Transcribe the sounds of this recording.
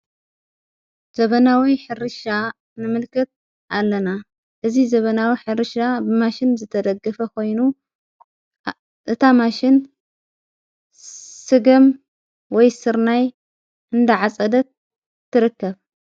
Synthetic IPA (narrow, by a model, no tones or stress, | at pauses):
z̥ɐβɐnawiħɨɾɨʃa | nɨmɨlkʰɨt̪̚ | ʔalːɐna | ʔɨzizɐβɐnawiħɨɾɨʃabɨmaʃɪnzɨt̪ʰɐd̪ɐɡɐfɐkʰo̞jnu | ʔɨt̪ʰamaʃɪn | sɨɡɨm | wɔjsɨɾnaj | ʔɨnd̪ɐʕat͡sʼɐd̪ɐt̪̚ʰː | ɨɾɨkːɐβ